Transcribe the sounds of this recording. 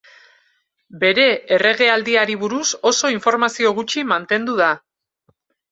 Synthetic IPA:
be̞ɾe̞ːre̞ɣe̞ald̪iaɾiβuɾuso̞so̞iɱfo̞ɾmasio̞ɣ̞ut͡ʃimant̪e̞nd̪uða

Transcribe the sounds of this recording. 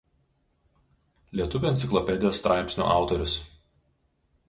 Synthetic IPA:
lʲiɛt̪ʊʋʲʊɛnt̪sʲɪklˠɔpʲɛd̪ʲɪjoːst̪ɾʔɑˑɪpʲsʲnʲo̰ːʔɑˑʊt̪ɔɾʲʊs

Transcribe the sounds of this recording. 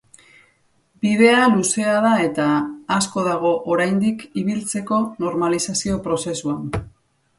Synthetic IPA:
bið̞e̞aluse̞að̞ae̞t̪aːsko̞ð̞aɣ̞o̞ʔoɾajnd̪ikiβ̞ilt͡se̞ko̞no̞ɾmalisasio̞pɾo̞se̞suan

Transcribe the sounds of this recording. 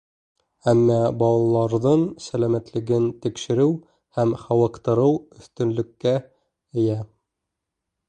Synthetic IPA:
æmːɑbɑlˠɑlˠɑɾðɤɴsælæmæt̪lɘ̆ɡɘnt̪ikʃɘ̆ɾɘw | hæmχæwɑqt̪ɤ̆ɾɤwɵ̆θt̪ɵ̆nlɵ̆kːæ | ɘ̆jæ

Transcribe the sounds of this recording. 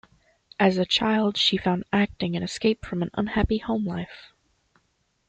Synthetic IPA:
ʔɨzɨt͡ʃʰaɪlˠd̥ʃifãʊ̃ndæk̚tɪ̃ŋɨ̃nɨskeɪpfɹʌ̃mɨ̃nʌ̰̃nhæpihõʊ̃mla̰ɪf

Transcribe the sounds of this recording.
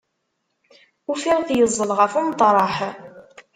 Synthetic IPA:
ufiʁθjəzˤːəlʁəfumt̪ˤɾˤɑħ

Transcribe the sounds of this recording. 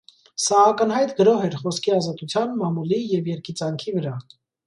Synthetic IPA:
sɑːkənhɑjt̪ɡəɾɔɦɛɾχɔskʰiɑzɑt̪ut͡sʰjɑnmɑmulijɛvjɛɾkit͡sɑŋkʰivəɾɑ

